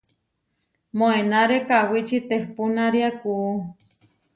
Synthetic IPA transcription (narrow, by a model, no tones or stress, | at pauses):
moenaɾekawit͡ʃit̪ehpunaɾiakuː